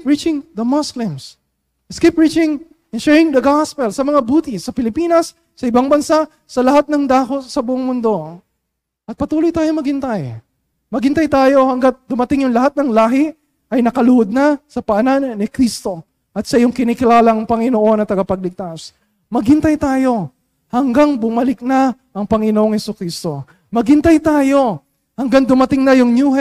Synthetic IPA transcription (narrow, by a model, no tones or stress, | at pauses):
pɹit͡ʃɪŋd̪ɐmɔslɪ̃ms | skipɹit͡ʃɪŋ | ɛnʃɛɹɪŋd̪ɐɡaspɛlsɐmɐŋabuːt̪ɪsɐpɪlɪpiːnɐsː | ɐʔɪbaŋbɐnsaʔ | sɐlɐɦat̪̚nɐŋd̪aːko̞sɐbʊʔoŋmʊnd̪o̞ | ʔɐt̪̚pɐt̪uːlojt̪aːjo̞mɐɡɪnt̪aj | mɐɡɪnt̪ɐjt̪aːjo̞hɐŋɡat̪̚d̪ʊmɐt̪ɪŋjʊŋlɐhat̪̚nɐŋlaːɦɪ | ʔɐjnɐkɐlʊhod̪̚nasɐpɐʔɐnannɪkɾist̪o̞ | ʔɐt̪sɐjʊŋkɪnɪkɪlaːlɐŋpɐŋɪnoʔo̞nɐt̪ɐɡɐpɐɡ̚lɪk̚t̪as | mɐɡɪnt̪ɐjt̪aːjo̞ | hɐŋɡaŋbʊmɐlɪk̚na | ʔɐŋpɐŋɪnoʔoŋhɛsʊkɾist̪o̞ | mɐɡɪnt̪ɐjt̪aːjo̞ | hɐŋɡaŋd̪ʊmɐt̪ɪŋnɐjʊŋnjuːhɛ